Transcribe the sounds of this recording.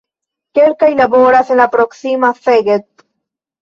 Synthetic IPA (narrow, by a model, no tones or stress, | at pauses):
kelkajlaboɾase̞nlapɾoksimafeɡet̪̚